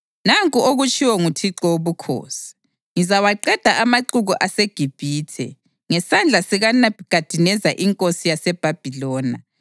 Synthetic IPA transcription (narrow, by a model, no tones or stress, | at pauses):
naŋkʼuoɣut͡ʃʼiwɔŋutʰiǁɔoβukʰo̰ːsi̥ | ŋizawaǃɛd̥ʱaʔamaǃuɣuʔaseɡ̥ʱib̥ʱiːtʰɛ̰ | ŋɛsand͡ɮʱasiɣanɣ̥ad̥ʱinɛzaʔiŋkʼosijasɛb̥ʱab̥ʱilɔːna̰